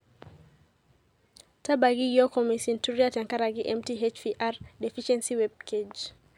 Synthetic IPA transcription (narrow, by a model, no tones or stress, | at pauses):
tabaɡiɡɔkɔmisintuɾiataŋkaɾaɡiʔɛmtiɦɛt͡ʃfiʔaɾdɛfiʃɛnsiwɛb̚kɛd͡ʒ